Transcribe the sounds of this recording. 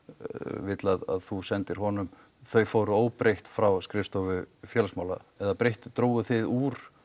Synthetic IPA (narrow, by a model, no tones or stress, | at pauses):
vɪt̪laða̰ðθusɛnt̪ɪɾ̥ɦɔnʏm | θœɥfoːwɾʏoːwpɾejht̪fɾawskɾɪfst̪ɔvʏfjɛlsmaːwla̰ɛðapɾejht̪ʏt̪ɾoːwɣʏθɪðuːɾ̥